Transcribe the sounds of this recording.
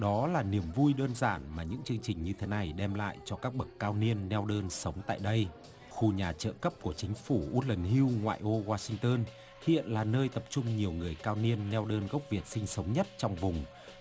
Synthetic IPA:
ɗɔ˨˦laː˨˩ni˧˩əmvu˧jɗəː˧nzaː˧˩nmaː˨˩ɲɨ̰˧˥ŋt͡ɕɨ˧əŋt͡ɕï˨˩ŋ̟ɲɨ˧t̪ʰe˨˦na˨˩jɗɛ˧mla̰ː˧˨jt͡ɕɔ˧kaː˦˥k̚ɓə˨˩kːaː˧wni˧ənːɛ˧wɗəː˧nsə˨˦wŋ͡mt̪a̰ː˧˨jɗə˧j | xu˧ɲaː˨˩t͡ɕə̰ː˧˨kə˦˥p̚ku˧˩ət͡ɕï˨˦ŋ̟fu˧˩ʔu˦˥t̚lə˨˩nɦi˧wŋwa̰ː˧˨jʔo˧waː˧sï˧ŋ̟t̪əː˧n | hḭ˧˨ənlaː˨˩nəː˧jt̪ə˨˩p̚t͡ɕʊ˧ŋ͡mɲi˨˩əwŋɨ˨˩əjkaː˧wni˧ənːɛ˧wɗəː˧nɣə˦˥wk͡p̚vi˨˩ət̚sï˧ŋ̟sə˨˦wŋ͡mɲə˦˥t̚t͡ɕɔ˧wŋ͡mvʊ˨˩ŋ͡m

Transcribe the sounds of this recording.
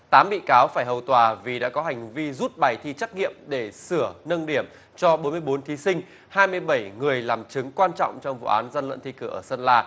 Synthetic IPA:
t̪aː˨˦mɓḭ˧˨kaː˨˦wfaː˧˩jɦə˨˩wt̪waː˨˩vi˨˩ɗa̰ː˧˥kɔ˨˦ɦa˨˩jŋ̟vi˧zu˦˥t̚ɓaː˨˩jt̪ʰi˧t͡ɕa˦˥k̚ŋḭ˧˨əmɗe˧˩sɨ˧˩ənə˧nɗi˧˩əm | t͡ɕɔ˧ɓo˨˦nmɨ˧əjɓo˨˦nt̪ʰi˨˦sï˧ŋ̟ | haː˧jmɨ˧əjɓə˧˩jŋɨ˨˩əjlaː˨˩mt͡ɕɨ˨˦ŋkwaː˧nt͡ɕɔ̰˧˨wŋ͡mt͡ɕɔ˧wŋ͡mvṵ˧˨ʔaː˨˦nzə˧nlə̰˧˨nt̪ʰi˧kɨ˧˩əʔəː˧˩sə˧nlaː˧

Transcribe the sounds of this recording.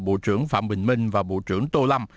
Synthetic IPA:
ɓo̰˧˨t͡ɕɨ˧˩əŋfa̰ː˧˨mɓï˨˩ŋ̟mï˧ŋ̟vaː˨˩ɓo̰˧˨t͡ɕɨ˧˩əŋt̪o˧la˧m

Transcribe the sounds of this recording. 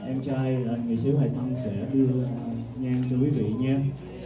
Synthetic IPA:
ʔɛ˧mt͡ɕaː˧jlaː˨˩ŋɨ˨˩əjsɨ˨˦əha̰˨˩jt̪ʰə˧wŋ͡msɛ̰˧˥ɗɨ˧əɲaː˧ŋt͡ɕɔ˧kwi˨˦vḭ˧˨ɲaː˧

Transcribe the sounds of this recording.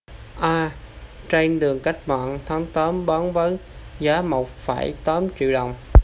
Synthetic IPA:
ʔaː˧ | t͡ɕe˧nɗɨ˨˩əŋka˦˥jk̟̚ma̰ː˧˨nt̪ʰa˨˦ŋt̪əː˨˦mɓɔ˨˦nvə˨˦nzaː˨˦mo˨˩wk͡p̚faː˧˩jt̪əː˨˦mt͡ɕḭ˧˨wɗə˨˩wŋ͡m

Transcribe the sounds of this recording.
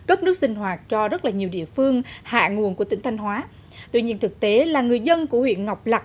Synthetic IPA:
kə˦˥p̚nɨ˦˥ək̚sï˧ŋ̟ɦwaː˨˩t̚t͡ɕɔ˧zə˦˥laː˨˩ɲi˨˩əwɗḭ˧˨əfɨ˧əŋha̰ː˧˨ŋu˨˩ənku˧˩t̪i˧˦ŋt̪ʰjŋ̟ɦwaː˨˦ | t̪wḭ˧˨ɲḭ˧ənt̪ʰɨ˨˩k̚t̪e˨˦laː˨˩ŋɨ˨˩əjzə˧nku˧˩əhwḭ˧˨ənŋa˨˩wk͡p̚la˨˩k̚

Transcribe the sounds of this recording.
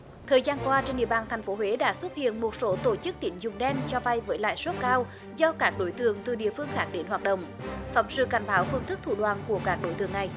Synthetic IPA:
t̪ʰəː˨˩jzaː˧nkwaː˧t͡ɕe˧nʔḭ˧˨əɓaː˧˩nt̪ʰa˨˩jŋ̟fo˨˦ɦwe˨˦ɗa̰ː˧˥swə˦˥t̚hḭ˧˨ənmo˨˩t̚so˨˦t̪o˧˩t͡ɕɨ˦˥k̚t̪i˨˦ŋ̟zʊ˨˩ŋ͡mɗɛ˧nt͡ɕɔ˧va˧jvəː˨˦jla̰ː˧˨jswə˦˥t̚kaː˧w | zɔ˧kaː˦˥k̚ɗo˨˦jt̪ɨ˧˨əŋt̪ɨ˨˩ɗḭ˧˨əfɨ˧əŋxaː˦˥k̚ɗe˨˦nɦwaː˨˩t̚ɗə̰˧˨wŋ͡m | fa̰˨˧˩wŋ͡msɨ̰˧˨ka˨˩jŋɓaː˨˦wfɨ˧əŋt̪ʰɨ˦˥k̚t̪ʰu˧˩ɗwaː˧˨˩nku˧˩əkaː˦˥k̚ɗo˨˦jt̪ɨ̰˨˧˨əŋna˨˩j

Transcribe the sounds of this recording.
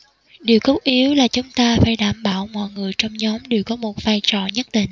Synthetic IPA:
ɗi˨˩əwkə˦˥w̚ʔi˨˦əwlaː˨˩t͡ɕʊ˨˦ŋ͡mt̪aː˧faː˧˩jɗaː˧˩mɓaː˧˩wmɔ̰˧˨jŋɨ˨˩əjt͡ɕɔ˧wŋ͡mɲɔ˨˦mɗe˨˩əwkɔ˨˦mo˨˩t̚vaː˧jt͡ɕɔ̰˧˨ɲə˦˥t̚ɗ̪ḭ̈˧˩ŋ̟

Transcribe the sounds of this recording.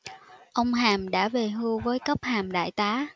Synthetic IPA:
ʔə˧wŋ͡mɦaː˨˩mɗa̰ː˧˥ve˨˩ɦɨ˧vəː˨˦jkə˦˥p̚haː˨˩mɗa̰ː˧˨jt̪aː˨˦

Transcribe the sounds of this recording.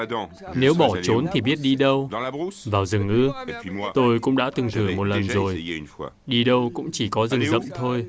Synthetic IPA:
ne˨˦wɓɔ˧˩t͡ɕo˨˦nt̪ʰi˨˩ɓi˦˥ət̚ɗi˧ɗə˧wvaː˨˩wzɨ˨˩ŋʔɨ˧ət̪o˧jkʊ̰˧˥ŋ͡mɗa̰ː˧˥t̪ɨ˨˩ŋt̪ʰɨ˧˩ŋmo˨˩t̚lə˨˩nzo˨˩jnw | ɗi˧ɗə˧wkʊ̰˧˥ŋ͡mt͡ɕi˧˩kɔ˨˦zɨ˨˩ŋzə̰˧˨mt̪ʰo˧j

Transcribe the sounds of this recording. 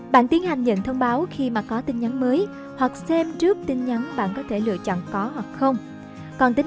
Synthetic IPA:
ɓa̰ː˧˨nt̪i˨˦ənha˨˩jŋ̟ɲə̰˧˨nt̪ʰə˧wŋ͡mɓaː˨˦wxi˧maː˨˩kɔ˨˦t̪ï˧n̟ɲa˨˦nməː˨˦j | hwa˨˩k̚sɛ˧mzɨ˦˥ək̚t̪ï˧nɲa˨˦nɓa̰ː˧˨nkɔ˨˦t̪ʰe˧˩lɨ̰˧˨ət͡ɕɔ̰˧˨nkɔ˨˦hwa˨˩k̚xə˧wŋ͡m | kɔ˨˩nt̪ï˨˦

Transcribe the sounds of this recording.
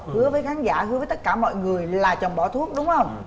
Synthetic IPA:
hɨ˨˦əvəː˨˦jxaː˨˦nza̰ː˧˩hɨ˨˧˦vəː˨˦t̪t̚kaː˧˩mɔ̰˧˨jŋɨ˨˩əjlaː˨˩t͡ɕə˨˩ŋ͡mɓɔ˧˩t̪ʰu˦˥ək̚ɗʊ˨˦ŋ͡mxə˧wŋ͡m

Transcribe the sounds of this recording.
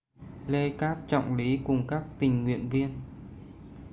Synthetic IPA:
le˧kaː˦˥p̚t͡ɕɔ̰˧˨wŋ͡mli˨˦kʊ˨˩ŋ͡mkaː˦˥k̚t̪ï˨˩ŋ̟ŋwḭ˧˨ənvi˧ən

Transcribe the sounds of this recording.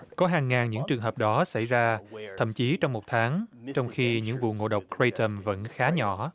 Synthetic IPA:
kɔ˨˦ɦaː˨˩ŋːaː˨˩nɲɨ̰˧˥ŋt͡ɕɨ˨˩əŋɦəː˨˩p̚ɗɔ˨˦sə̰˧˩jzaː˧t̪ʰə̰˧˨mt͡ɕi˨˦t͡ɕɔ˧wŋ͡mmo˨˩t̚t̪ʰaː˨˦ŋt͡ɕɔ˧wŋ͡mxi˧ɲɨ̰˧˥ŋvṵ˧˨ŋo̰˧˨ɗə˨˩wk͡p̚kɹe˧t̪ə˧˩mvə̰˧˥nxaː˨˦ɲɔ˧˩˨

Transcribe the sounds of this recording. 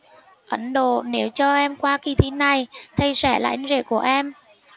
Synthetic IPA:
ʔə˨˦nɗo̰˧˨ne˨˦wt͡ɕɔ˧ʔɛ˧mkwaː˧ki˧˩t̪ʰi˨˦na˨˩jt̪ʰə˧jsɛ˧˩la̰ː˧˥˦ŋ̟zḛ˧˩ku˧˩əʔɛ˧m

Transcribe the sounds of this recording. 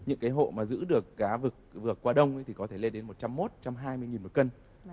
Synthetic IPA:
ɲɨ̰˧˥ŋkaː˨˦jɦo̰˧˨maː˨˩zɨ̰˧˥ɗɨ˨˩ək̚ɣaː˨˦vɨ˨˩k̚vɨ˨˩əkːwaː˧ɗə˧wŋ͡mjt̪ʰi˨˩kɔ˨˦t̪ʰe˧˩le˧nɗe˨˦nmo˨˩t̚t͡ɕa˧mːo˦˥t̚t͡ɕa˧mɦaː˧jmɨ˧əjŋi˨˩nmo˨˩t̚kə˧n

